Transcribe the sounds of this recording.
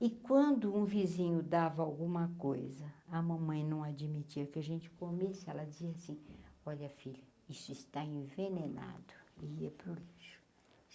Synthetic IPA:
ɪkwɐ̃nd̪ʊũvizĩɲʊd̪avɐawɡũmɐkojzɐɐmɐ̃mɐ̃j̃nɐ̃w̃ad͡ʒimit͡ʃiɐkɪaʒẽnt͡ʃɪ̥komesɪɛlɐd͡ʒɪziɐasĩɔʎɐfiʎɐ | isʊist̪aẽvenena̰d̪ʊɪiɐpɾʊliʃʊ̥

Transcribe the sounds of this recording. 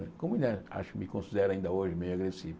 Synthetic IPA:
ɛkõmʊĩnd̪ɛa̰ʃʊ̥kɪmɪkõsid̪ɛɾɐaĩnd̪ɐoʒɪmejuaɡɾesiv

